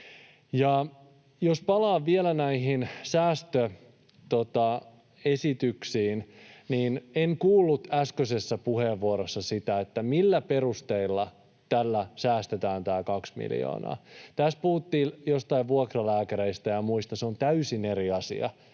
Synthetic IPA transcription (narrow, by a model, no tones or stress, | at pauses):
jɑ | jospɑlɑːʋʋielænæiɦinsæːst̪ø | t̪ot̪ɑ | esit̪yksiːnniːneŋkuːlːut̪æskøsesːæpuheʋːuoɾosːɑsit̪æet̪ːæmilːæperust̪eilːɑ | t̪ælːæsæːst̪et̪æːnt̪æːkɑksmḭljo̰ːnɑ̰ːt̪æs̚puhut̪ːiːljost̪ɑiʋʋuokrɑlæːkæɾeist̪æjɑmuist̪ɑseont̪æysineɾiɑsḭɑ̰